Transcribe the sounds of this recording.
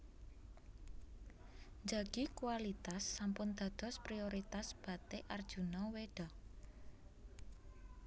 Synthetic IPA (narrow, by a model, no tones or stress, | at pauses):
nd͡ʒaɡ̥ikuwalit̪asːampʊnd̪̥a̤d̪̥ɔ̤spɾioɾit̪asb̥ä̤t̪eʔard̥ʒ̥unɔweɖ̥a̤